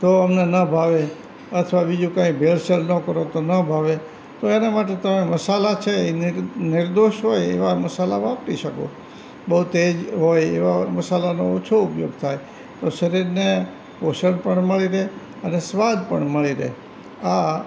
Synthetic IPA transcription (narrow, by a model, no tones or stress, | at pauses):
t̪oəmnenəbʱaʋe | ət̪ʰʋabid͡ʒũkãikbʱelsəlnəkəɾot̪onəbʱaʋe | t̪oenamaʈ̬et̪əmeməsalat͡ʃʰeenɪɾd̪oʃɦojḛʋaməsala̰ʋãpʈiʃəkõ̰ | bəɦut̪ed͡ʒɦojḛʋaməsalanoot͡ʃʰoupjoɡ̚t̪ʰaj | t̪oʃəɾiɾne | poʃəɽpəɳməɭiɾəɦe | ənesʋad̪̚pəɳməɭiɾə̰ɦe | a